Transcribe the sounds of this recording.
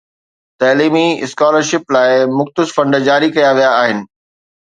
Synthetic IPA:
t̪ɐːliːmiɪskaːləɾʃɪplaːɪmʊxt̪ɪsfɐ̃ɳɖd͡ʑaːɾikɐjaʋijaːɦɪnɪ̆

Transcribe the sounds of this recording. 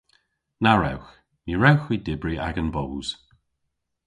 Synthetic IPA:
naɹɛ̰wx | niɹɛwxwidɪbɹiʔa̰ɡənbowz̥

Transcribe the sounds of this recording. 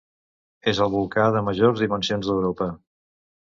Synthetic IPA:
ezəlˠβulˠkaðəməʒorzðimənsionzðəwɾopə

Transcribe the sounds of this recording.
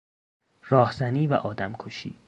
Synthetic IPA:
rɒːhzæniːvæ̰ʔɒːd̪æmkʰoʃḭː

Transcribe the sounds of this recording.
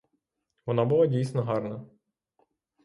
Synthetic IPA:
ʋɔnɑbʊlˠɑdʲijsnɔɦɑrnɐ

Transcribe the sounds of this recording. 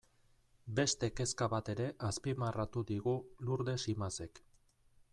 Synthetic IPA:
be̞st̪e̞ke̞skaβat̪e̞ɾe̞ʔaspimarat̪uðiɣuluɾðe̞simase̞k

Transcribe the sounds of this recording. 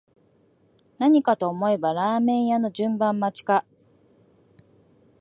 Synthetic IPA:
naɲ̟ikat̪o̞ːmo̞e̞baɾaːmẽ̞ɰ̃jano̞ʑɨ̃mbãmːat͡ɕi̥ka

